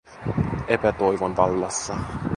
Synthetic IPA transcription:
epæt̪o̞jʋonʋɑlːɑsːɑ

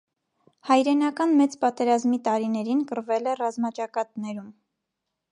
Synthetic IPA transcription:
hɑjɾɛnɑkɑnmɛt͡spɑt̪ɛɾɑzmit̪ɑɾinɛɾinkəɾvɛlɛrɑzmɑt͡ʃɑkɑt̪nɛɾum

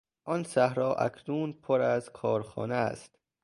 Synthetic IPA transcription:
ʔɒnsæhɾɒːʔæ̰kʰnuːnpʰoɾæzkʰɒːɾxɒ̰ːneæ̰st̪

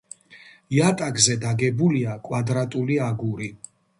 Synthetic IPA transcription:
jat̪ʼaɡzɛd̪aɡɛbuliakʼwad̪ɾat̪ʼuliaɡuɾi

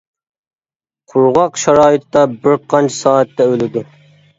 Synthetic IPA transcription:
qʰʊɾʁɑqʃɑɾɑːɪt̪ːɑbɪɾqʰɑnt͡ʃʰi̥sɑːɛt̪ːɛølɪd̪u

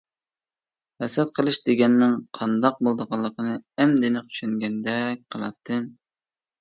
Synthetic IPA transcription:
hɛsɛt̪̚qʰəlˠɨʃd̪eɡʲɛnːɪŋqʰɑnd̪ɑq̚bolˠd̪əʁɑlˠːəqənɨɛmd̪ɪnɪq̚t̪ʰy̥ʃŋɡʲɛnd̪ɛk̚ʲqʰəlˠɑ̰t̪ʰːɨm

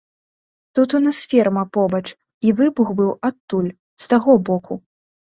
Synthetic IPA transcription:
t̪ut̪unɐsfʲɛrmɐpɔbɐt͡ʂ | ivɨbuɣbɨwat̪ːulʲ | st̪aɣɔbɔkʰu

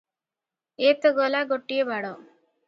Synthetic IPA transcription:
eːt̪əɡolaɡoʈːijebaɽo

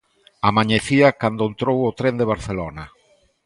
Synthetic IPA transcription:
amaɲeθiɐkand̪oent̪ɾowʊt̪ɾend̪eβ̞aɾθelonɐ

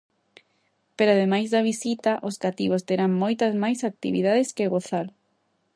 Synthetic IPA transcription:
peɾoað̞emajzðɐβ̞isit̪aʔoskat̪iβ̞ost̪eɾaŋmojt̪ɐzmajsak̚t̪ḭβḭð̞aðeskeɣoθaɾ

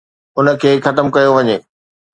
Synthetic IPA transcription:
ʊnə̆kʰeːxɐt̪əmkɐjoʋɐɲeː

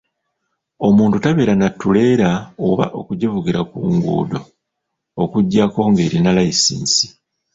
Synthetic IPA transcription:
o̞muːntutaβe̞ːɾanatːule̞ːɾaoβa̰ʔo̞kuɟevuɡiɾakuːŋɡṵːdo̞ | okuɟːako̞ŋɡe̞ːɾinalaisḭːnsi̥

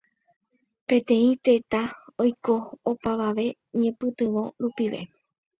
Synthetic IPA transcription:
pẽ̞t̪ẽ̞ĩt̪e̞t̪aojko̞ːpaʋaʋe̞ | ɲẽ̞pɨt̪ɨʋõ̞ɾupiʋḛ

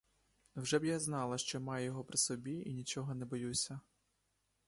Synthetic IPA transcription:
wʒɛbjaznɑlˠɐʃt͡ʃɔmɑjjɔɦɔpɾɪsɔbʲiinʲit͡ʃɔɦɔnɛbɔjusʲɐ

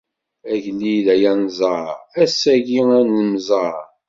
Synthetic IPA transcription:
æʝlilæjænzˤəæsæʝiænəmzˤə

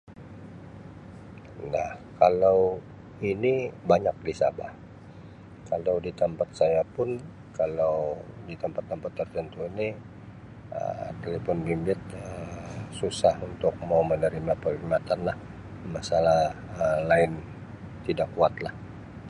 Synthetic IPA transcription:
nahkalaw | inibaɲak̚disa̰bah | kalawdit̪əmpat̪̚sajapʊn | kalawdit̪əmpat̪pːəmpat̪ːərt̪ənt̪uini | ə̰t̪elefɔnbimbɪt̪̚əsusahunt̪ʊk̚maumənəɾimapərimat̪anlah | masalah | əlaɪn | t̪idakːuat̪lah

